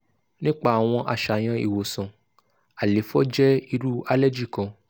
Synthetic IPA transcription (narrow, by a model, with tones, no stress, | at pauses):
nĩ˦k͡pa˦˨a˨w̃ɔ̃˧ʔa̰˨ʃa˨j̃ã˧ḭ˨wo˨sã˨ | a˨le˨˦fɔ˦d͡ʒɛ˦i˧ɾu˦a˦lɛ˦d͡ʒi˦˨kã˨˧